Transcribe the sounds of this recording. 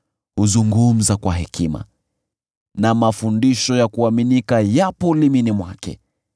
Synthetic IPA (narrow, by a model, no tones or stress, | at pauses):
huzuŋɡum̩zakwaɦɛkima̰ | namafundiʃɔjakuaminikajapɔliminimwakɛ̰